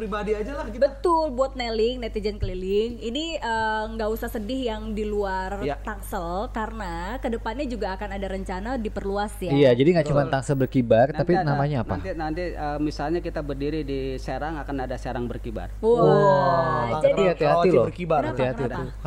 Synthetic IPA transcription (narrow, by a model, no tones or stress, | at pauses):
pɾibadiad͡ʒalabət̪ʊlbuat̪̚nelɪŋnɛt̪id͡ʒənkəlilɪŋiniəŋɡaʔusahsədɪhjaŋdiluarjt̪aŋsəlkarənakədəpanɲad͡ʒuɡaːkanadaɾəɲt͡ʃanadipərluasjaijad͡ʒadiŋɡaʔt͡ʃumant̪aŋsəlbərkibart̪apinamaɲaːnpa̰inant̪iəmisalɲakit̪abərdiɾidiseɾaŋakanadaseɾaŋbərkiba̰roo | d͡ʒadat̪iɦat̪ilɔrkibaaiɦat̪it̪u